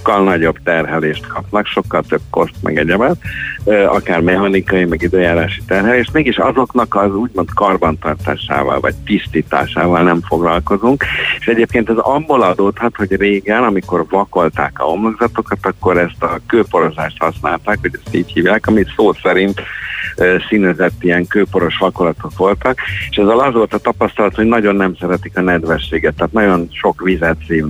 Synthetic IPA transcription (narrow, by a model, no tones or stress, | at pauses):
kːɒlnɒɟobt̪ɛrɦɛleːʃt̪kʰɒpnɒkʃo̞kːɒlt̪øb̚ko̞st̪mɛ̰ɡɛɟɛmat̪ː | ɒkaːrmɛhɒnikɒjimɛɡid̪øːjaːɾaːʃi̥t̪ɛrɦɛleːʃt̪meːɡeːʃɒ̰zo̞knɒkɒzuːɟmo̞nt̪kɒrbɒnt̪ɒrt̪a̰ːʃa̰ːvɒ̰lvɒ̰c̚t̪ist̪iːt̪a̰ːʃaːvɒlnɛmfo̞ɡlɒlko̞zuŋkeʃɛɟeːp̚keːnt̪ɛzɒbːo̞lɒd̪oːt̪hɒt̪ho̞ɟreːɡɛnɒmiko̞rvɒko̞lt̪a̰ːkɒ̰o̞mloɡzɒt̪o̞kɒt̪ɒkːo̞ɾɛst̪ɒkøːpo̞ɾo̞zaːʃt̪hɒsna̰ːlt̪aːkʋɒɟɛst̪iːchiːvjaːkɒmisoːsɛɾint̪ | sinɛzɛt̪ːiɛŋkøːpo̞ɾo̞ʃʋɒkolɒt̪o̞kʋo̞lt̪ɒke̥ʃɛzːɛlɒzʋo̞lt̪ɒt̪ɒpɒst̪ɒlɒt̪ho̞ɟnɒɟo̞nːɛmsɛɾɛt̪ikɒnɛd̪ʋɛrʃːeːɡɛt̪ːaːt̪nɒɟo̞nʃo̞kʋizɛt̪seːv